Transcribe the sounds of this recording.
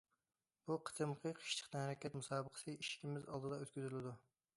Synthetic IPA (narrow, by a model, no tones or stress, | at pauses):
buqʰə̥t̪ʰɨmqʰəqʰə̥ʃt̪ʰə̥qt̪ɛnhæɾɛkʲɛt̪musɑːbəqʰə̥sɨiʃkʲimɪzɑlˠd̪ɨd̪ɑøt̪kʲyzɾylɪd̪u